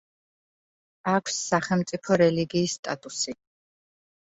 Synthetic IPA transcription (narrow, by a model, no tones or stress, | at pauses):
akʷʰsːaχɛlmt̪sʼipʰɔɾɛliɡiːsːt̪ʼat̪ʼusi